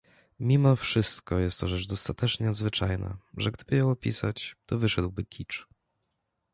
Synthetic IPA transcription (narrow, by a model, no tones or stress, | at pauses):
mʲimɔfʂɘst̪kɔjɛst̪ːɔʐɛt͡ʂd̪ɔst̪at̪ɛt͡ʂɲɛad̪zvɘt͡ʂajna̰ʐɛɡd̪ɘbɘjɔwɔpʲḭsat͡ɕt̪ɔvɘʂɛd̪wbɘkʲʰit͡ʂ